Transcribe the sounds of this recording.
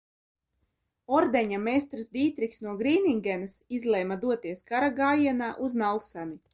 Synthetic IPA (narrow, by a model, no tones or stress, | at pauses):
ɔɾd̪eɲamest̪ɾsd̪ʲiːt̪ɾiksnuɔɡɾiːniŋɡʲɛnɨsizlˠɛjmad̪uɔt̪iɛskaɾaɡaːjiɛnaːʔuznalˠsani